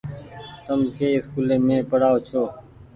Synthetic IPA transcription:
t̪əmkeːɪskuːlẽːmẽːpəɽaːoːt͡ʃʰoː

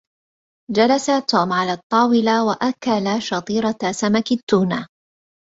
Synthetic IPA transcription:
d͡ʒalasat̪uːmʕalaːt̪ˤːɑːwɪlawaʔakalaʃɑt̪ˤiːɾɑsamakɪt̪ːuːnaː

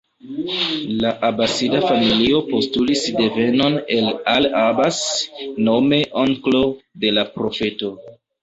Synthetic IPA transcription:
laʔabasidafamilio̞po̞stulisde̞ve̞no̞ne̞lalabasno̞me̞ʔoŋklo̞de̞lapɾo̞fe̞to̞

